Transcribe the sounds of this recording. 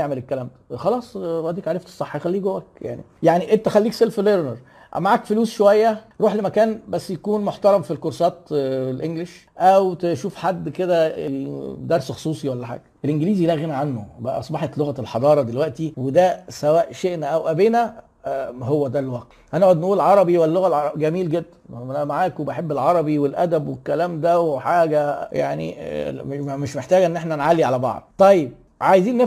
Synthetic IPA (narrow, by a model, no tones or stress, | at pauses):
eʕmelekːælæːmt̪æ̥xɑlɑːsˤwæʔt̪d̪iːkʕaɾeft̪e̥sˤɑħːxælːiːɡowæk̚ja̰ʕnḭjaʕniʔent̪æxælːiːkselfleɾneɾˤ | maʕaːkfoluːsʃowæjːæɾˤuːħlemækæːnbæsːjækuːnmoħt̪ɑɾˤɑmfilkoɾsˤɑːt̪lʔeŋɡleʃʔæwt̪eʃuːfħad̪ːked̪æed̪ɑɾˤsxo̥sˤuːsˤiwælːæħa̰ːɡ̥æʔelʔenɡeliːzilæːɣenæʕanːobæʔæ̰ʔɑsˤbɑħet̪loɣælħɑd̪ˤɑːɾˤɑd̪elwæʔt̪iwed̪æsæwæːʔʃeʔnæʔæwʔæbenæ | howːæd̪ælwɑq | ʔænæʔoʕod̪nʔuːlʕɑɾˤɑbiwælːoɣælʕɑˤɡæmiːlɡed̪ːænææmaʕaːkwebeħebːelʕɑɾˤɑbiwelʔæ̰d̪æbwekːælæːmd̪æwħaːɡæja̰ʕnḭ | meʃmeħt̪æːɡæʔenːʔeħnænʕalːiʕalæbɑ̰ʕd̪̥̚ˤt̪ˤɑjːeb̚ | ʕajeziːnːe